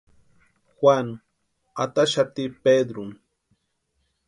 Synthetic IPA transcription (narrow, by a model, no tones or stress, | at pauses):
xwʷaŋ | at̪aʃat̪iped̪ɾʊm